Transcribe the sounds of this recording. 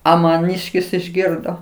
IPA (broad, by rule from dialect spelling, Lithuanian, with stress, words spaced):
ˈɐ mɐˈnʲiːʃʲkʲɪs ɪʒʲˈɡʲɪrdoː